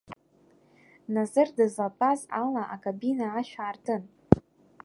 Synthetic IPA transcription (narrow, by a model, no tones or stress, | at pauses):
nazɨrdɨzlapʰʼazalaʔakʼabinaːʃᶣaːrtʰɨn